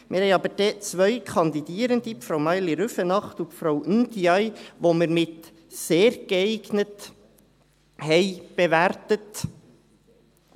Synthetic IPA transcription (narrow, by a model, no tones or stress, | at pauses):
mɪɾhɛjɑbəd̥ɛːt͡sʋœʏkʰɑnd̪idiəɾənd̥̪ipfɾawmɑjliɾʉfənɑχtupfɾawʔynd̪iɑjʋoməɾmɪt̪ | seːɾɡ̥əɛɪɡnət | hɛɪb̥eʋærtət